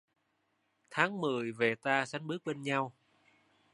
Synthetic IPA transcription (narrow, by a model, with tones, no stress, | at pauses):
t̪ʰaː˨˦ŋmɨ˨˩əjve˨˩t̪aː˧sa˨˦jŋ̟ɓɨ˦˥k̚ɓe˧nɲa˧w